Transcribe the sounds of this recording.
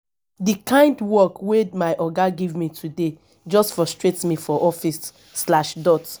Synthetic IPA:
dikãɪ̃ndwɔkwemaɪʔɔɡaɡivmitʰude | d͡ʒɔstfɹɔstɹetmifɔʔɔfisː | laʃdɔt

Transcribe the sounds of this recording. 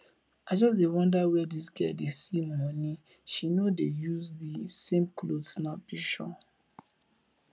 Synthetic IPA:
aɪd͡ʒɔsdewɔ̃ndawɛdisɡɛdesimaniʃinodejuzdisẽmklodsnabiʃɔ

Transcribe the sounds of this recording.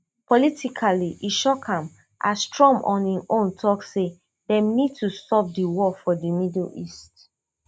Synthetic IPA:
pɔlitikʰaliʔiʃɔkʰãm | ʔa̰stɹɔ̃mʔɔ̰̃nĩʔõntʰɔkse | dɛ̃mnid̚tustɔp̚diwɔfɔdimidlist

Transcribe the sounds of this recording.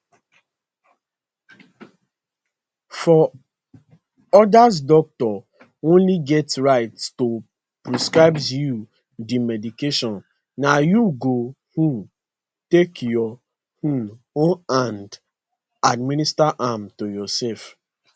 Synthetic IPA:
fɔ | ɔdaz̬dɔk̚tɔ | õnliɡɛtɹaɪtto | pɹiskɹaɪbzju | dimɛdikeʃɔ̃nː | ajuɡo | hũ | tekjɔ | hũn | õnãnd | admĩnistaʔamtojɔsɛlf

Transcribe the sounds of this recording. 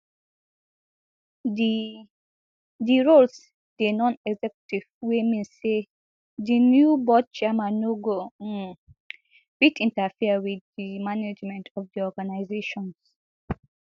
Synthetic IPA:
diɹols | d̥enɔ̃nɛɡzɛkjutivwemĩnse | dinjubɔd̚t͡ʃɛmanoɡo | b̥idĩntəfiwidimaned͡ʒmɛ̃ntʰɔvdiɔɡanaɪzeʃɔ̃ns

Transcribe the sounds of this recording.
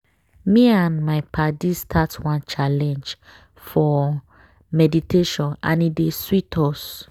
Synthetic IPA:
miãnmaɪpʰadistʰatwãnt͡ʃalɛ̃nd͡ʒ | fɔ | mɛditeʃɔ̃nã̰nideswitʰɔs

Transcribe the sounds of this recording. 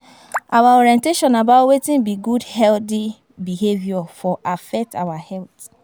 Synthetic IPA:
awaɔɾiɛ̃nteʃɔ̃nabatwetĩnbiɡudhɛldi | bihevjɔfɔʔafɛk̚tʰa̰wahɛlt

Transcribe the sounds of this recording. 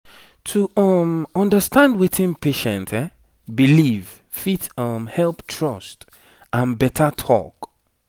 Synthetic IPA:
tʰuɔmɔ̃ndəstãndwetʰĩnpʰeʃɛ̰̃ntʰɛ | biliv̥ | fitʌmhɛlˠptʰɹɔst | ãnbɛtʰətʰɔ̰k

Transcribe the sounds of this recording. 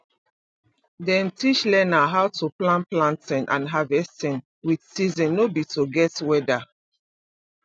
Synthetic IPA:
dɛ̃ntit͡ʃlɛnaɦawtuplãnplãntɛ̃nʔã̰nɦavɛstɛ̃n | widsizĩnːobituɡɛtwɛda

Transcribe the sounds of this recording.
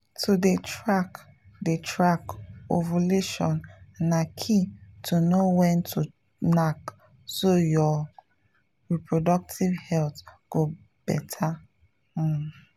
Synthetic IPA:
tʰudetɹak | detɹakovoleʃɔ̰̃nːakʰitʰunowɛ̃ntʰu | nak | sojɔ | ɹipɹodɔk̚tʰivhɛltɡ̥o | b̥ɛtʰa

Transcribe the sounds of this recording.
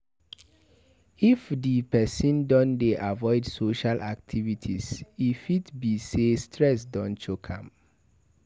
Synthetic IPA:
ifdipɛsĩndɔ̃ndeʔavɔɪdsoʃalʔa̰k̚tʰivitʰisifitbisestʰɹɛsdɔ̃nʃokʰã̰m

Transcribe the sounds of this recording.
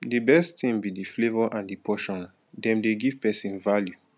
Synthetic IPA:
dibɛstθĩmbidiflevɔʔãndipʰɔʃɔ̃n | dɛ̃mdeɡiv̥pɛsĩnvalju

